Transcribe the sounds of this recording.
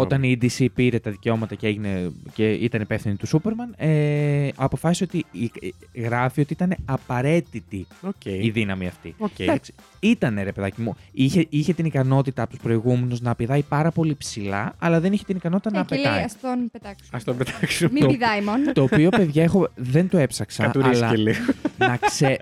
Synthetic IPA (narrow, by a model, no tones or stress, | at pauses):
ot̪ɐniid̪isipiɾe̞t̪ɐðice̞o̞mɐt̪ɐcee̞ʝine̞ceit̪ɐnipe̞fθinit̪usupe̞ɾmɐneɐpo̞fɐsisot̪iiɣɾɐfio̞t̪iit̪ɐne̞ɐpɐɾe̞t̪it̪ioceiðinɐmiɐft̪ḭoks | it̪ɐneɾepeðɐcimuiçeiçe̞t̪inikɐno̞t̪it̪ɐpot̪uspɾo̞iɣume̞nuznɐːpiðɐjpɐɾɐpo̞lipsilɐ̰ɐlɐðe̞niçe̞t̪inikɐno̞t̪i̥t̪ɐnɐːpeɐiɐst̪opet̪ɐksɐst̪opet̪ɐksumoiðɐimont̪o̞ːpio̞pe̞ðʝɐexo̞ðe̞nt̪oe̞psɐksɐɐuɾilɐeliɣnɐkse